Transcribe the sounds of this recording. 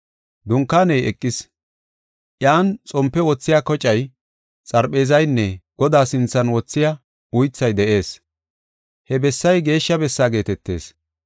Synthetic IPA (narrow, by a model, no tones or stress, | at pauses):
d̪ʊŋkːaːnɛjɛkʼːɪs | ʔjaːnt͡sʼɔmpːɛwɔt͡sːɪjaːkɔt͡ʃʼːɐj | t͡sʼɐɾpʼe̞ːzɐjnːɛɡ̥ɔd̪aːsɪnt͡sːɐnwɔt͡sːɪja | ʊjt͡sːɐjd̪ɛʔe̞ːs | hɛbɛsːɐjɡe̞ːʃːɐbɛsːaːɡe̞ːt̪ɛt̪ːe̞ːs